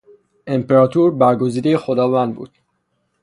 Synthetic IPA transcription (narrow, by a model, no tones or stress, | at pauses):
e̞mpeɾɒːt̪ʰuːɾbæɾɡoziːd̪ejexod̪ɒːvænd̪̚bṵːd̪̥̚